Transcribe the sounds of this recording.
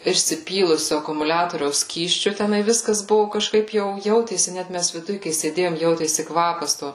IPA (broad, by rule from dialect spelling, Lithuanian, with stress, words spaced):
ɪʃʲsʲɪˈpʲiːlˠʊsʲʊ ɐkʊmʊˈlʲæːtoːrʲɛʊs ˈsʲkʲiːsʲt͡ʃʲʊ tʲɛˈnɐɪ ˈʋʲɪskɐs ˈbʊʋʊ kɐʃˈkɐɪp ˈjɛʊ ˈjɛʊtʲeːsʲɪ ˈnʲæt mʲɛs ʋʲɪˈdʊj kɐɪ sʲeːˈdʲeːjoːm ˈjɛʊtʲeːsʲɪ ˈkʋɑːpɐs ˈtoː